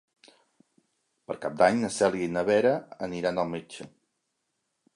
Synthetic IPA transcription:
pəɾkap̚d̪aɲnəsɛlˠɡinəβɛɾəəniɾanəlˠmed͡ʒə

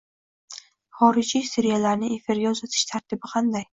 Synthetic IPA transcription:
χɒɾɪd͡ʒisɪɾijalaɾnɪe̞fɪɾɡʲaʊzat̪ʰɪ̥ʃt̪ʰaɾt̪ʰɪbɪqʰɑnd̪aj

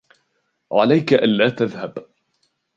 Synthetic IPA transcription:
ʕa̰lajkaʔanlaːt̪aðhab

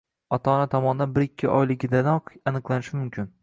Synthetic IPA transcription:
ɒt̪ʰɒːnat̪ʰɒmɒnɪd̪anbɪɾɪkʲʰːɪʔɒ̰jlɪɡʲɪd̪anɒqanɨqlˠanɪʃɪmʊmkʲʰɪn

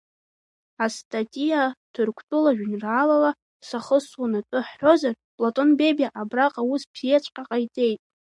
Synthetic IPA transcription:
astʼatʼijatʰɨrkʷʰtʼʊlaʒᶣnraːlala | saχəswanatʼɨħːo̞zar | pʼlatʼo̞nbebaʔabraqʼawuspʰet͡ʃʷʰʼqʲʼaqʼajtʼe̞jtʼ

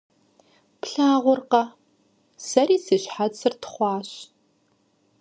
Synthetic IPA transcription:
pɬaːʁʷʊrqɐ | sɐriːsɨɕħat͡sɨrtʰχʷɑːɕ

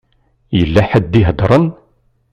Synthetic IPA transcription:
jəlːæħəd̪ːiɦəd̪ɾˤən

